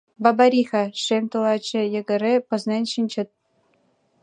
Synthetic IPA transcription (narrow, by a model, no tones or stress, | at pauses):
bɑbɑɾʲixɑʂemʲt̪ɤlˠɑt͡ɕːɘ̆jɤ̆ɡɘ̆ɾʲepɤ̆znʲenʲɕinʲt͡ɕɘ̆t̪̚